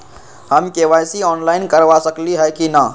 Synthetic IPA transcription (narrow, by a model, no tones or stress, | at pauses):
ɦəmkeʋajsiɔnlaɪinkəɾʋasəkliɦəjkina